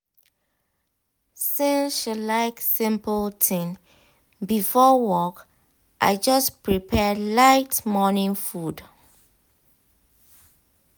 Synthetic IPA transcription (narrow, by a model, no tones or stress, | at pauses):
siʃilaɪksĩmpəltʰĩŋ | bifɔwɔk | ʔa̰ɪd͡ʒʌspɹipʰɛlaɪtmɔnĩŋfud